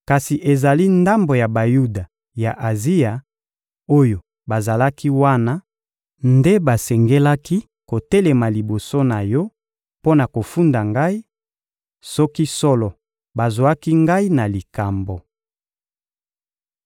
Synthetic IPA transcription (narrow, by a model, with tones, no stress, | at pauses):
ka˨si˨ʔe˨za˨li˦nda˦mbo˨ja˨ba˨ju˦da˨ | ja˨ʔa˨zi˦ja˨ | o˦jo˨ | ba˨za˨la˦ki˦wa˦na˦ | nde˦ba˨sɛ˨ŋɡe˦la˦ki˦ | ko˨tɛ˦lɛ˨ma˨li˨bo˨so˦na˨jɔ˦ | po˦na˨ko˨fu˦nda˨ŋɡa˦i˦ | sɔ˦ki˦sɔ˦lɔ˨ | ba˨zwa˦ki˦ŋɡa˦i˦na˨li˨ka˨mbo˨